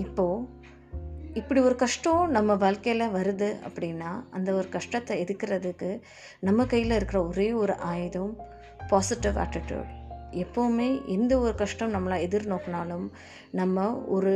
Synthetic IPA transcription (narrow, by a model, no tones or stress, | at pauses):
ɪpːoː | ɪpːɐɽiɔɾɯkɐʂʈɐõnɐmːɐʋaːɻkɐjlɐʋɐɾɯðɯɐ̰pːɐɽɪnːaːɐnd̪ɐɔɾɯkɐʂʈɐt̪ːɐɛðɯkːɪɾɐðɯkːɯ | nɐmːɐkɐjːɪlɐɪɾɯkːɪɾɐɔɾeːɔɾɯʔaːjðɐm | paːsɪʈɪʋa̰ːʈːɪʈjṵːɖɛpːoʋɯmeːʔɛnd̪ɐɔɾɯkɐʂʈɐ̃mnɐmːɐlaːɛðɪɾnoːkːɐnaːlɯm | nɐmːɐɔɾɯ